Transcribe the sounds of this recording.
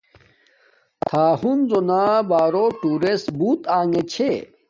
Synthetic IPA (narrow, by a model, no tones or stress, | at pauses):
t̪ʰaːhunzonaːbaːɾoʈuɾesbuːt̪aːŋet͡ɕʰe